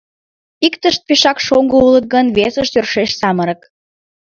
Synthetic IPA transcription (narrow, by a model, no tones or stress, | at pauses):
ikt̪əʃt̪̚peʃɑkʃoŋɡoulət̪̚ɡənβesəʃt̪ørʃeʃsɑməɾək